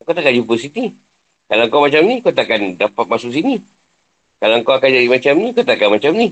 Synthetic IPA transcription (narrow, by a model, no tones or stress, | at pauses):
ŋkaot̪aʔkand͡ʒupəsit̪i | kalaŋkamat͡ʃamnikawt̪akandapat̪̚masʊksini | kalaŋkawakand͡ʒadimat͡ʃamnĩkat̪akanmat͡ʃamni